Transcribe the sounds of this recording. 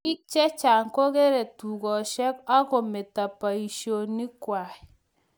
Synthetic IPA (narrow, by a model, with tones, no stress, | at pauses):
i˦k̚t͡ʃɛ˦t͡ʃa˨ŋkɔ˦ke˦ɾe˨tu˨ɡɔ˨ʃɛ˦ka˦kɔ˨me˨ta˨pa˨i˨ʃjo˨ni˦kwa˨ɛ˨